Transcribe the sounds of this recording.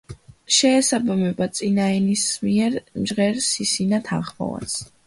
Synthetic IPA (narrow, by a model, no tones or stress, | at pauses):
ʃɛːsabamɛbat̪sʼinaɛnismiɛɾmd͡ʒʁɛɾsisinat̪ʰa̰nχmɔ̰va̰s